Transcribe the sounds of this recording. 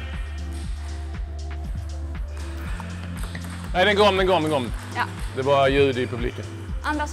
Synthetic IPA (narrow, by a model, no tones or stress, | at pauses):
næɪd̪ɛnɡɑːmɛnɡɑːməɡɔməd̪ɛbɑɾjʉ̟ːd̪ɪɪpʰɵblḭːkən | ʔand̪ɾa